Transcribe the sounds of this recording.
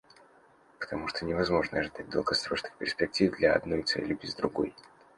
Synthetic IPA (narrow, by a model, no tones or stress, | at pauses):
pə̥t̪ɐmuʂt̪onʲɪvɐzmo̞ʐnəɐʐɨd̪at̚ʲd̪ə̰lˠɡɐsɾo̞ʂnɨxpʲɪrsʲpʲɪk̚tʲivd̪lʲɐɐ̰d̪no̞jt̪sɛ̰lʲɪbʲɪzd̪ɾʊɡo̞̰j